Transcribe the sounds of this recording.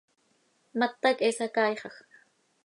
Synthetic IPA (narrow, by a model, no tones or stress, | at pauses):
mat̪ːakesakajχɑχ